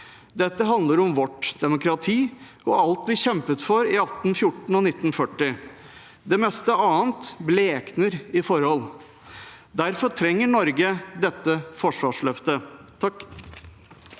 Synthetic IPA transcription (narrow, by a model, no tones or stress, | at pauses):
d̪ɛt̪ːəɦɑnd̪ləɾɔmʋɔʈd̪̥ɛmʊkɾɑt̪ʰiː | ɔɑlt̪ʋɪçɛmpət̪fɔɾɪɑt̪n̩fjʊʈɳ̩ɔnɪt̪ːn̩fœʈːɪ | d̪ɛmɛst̪əɑːənt̪bleːknəɾɪfɔɾhɔl | d̪æɾfɔɾʈʰɾɛŋːəɳɔɾɡəd̪ɛt̪ːəfɔʂʋɑːʂɭœft̪ət̪ʰɑk